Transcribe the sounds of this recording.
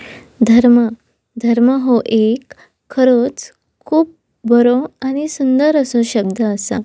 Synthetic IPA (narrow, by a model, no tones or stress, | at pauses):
d̪ʱəɾmə | d̪ʱəɾməɦoʔekʰː | əɾot͡s | kʰuːp̚ | bʱəɾoañisund̪əɾəsoɕəb̚d̪əːsa̰